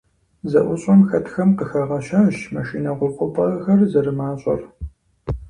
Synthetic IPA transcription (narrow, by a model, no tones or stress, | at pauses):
zɐʔʷʊɕʼɐmxɐtʰxɐmqəxɐʁɐɕaɕmɐʃiːnɐʁʷʊrqʷʼʊpʼɐʁɐxɐrzɐɾɨmaːɕʼɐ̰r